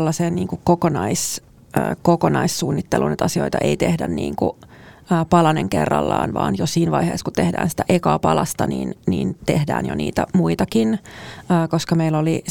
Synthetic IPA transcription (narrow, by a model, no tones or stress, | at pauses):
lːɑseːnniːŋkukkokonɑis | əːkokonɑissuːnːit̪ːelunet̪ɑsioit̪ɑʔeit̪ehdænnḭːŋkuəːpɑlɑneŋkerːɑlːɑ̰ːnʋɑːnjosiːnʋɑihḛːskutt̪ehdæ̰ːnsi̥t̪æʔekɑːpɑlɑst̪ɑniːnniːnt̪ehdæ̰ːnjo̰nḭːt̪æmuit̪ɑkinəːkoskɑmeiloli